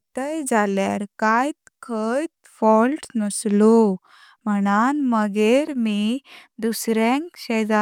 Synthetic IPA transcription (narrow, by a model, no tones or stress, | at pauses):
t̪əjd͡zaljaɾkajt̪kʰəjt̪ | fɔlʈnəslo | m̤əɽ̃anməɡeɾmid̪usɾẽŋkɕəjd͡za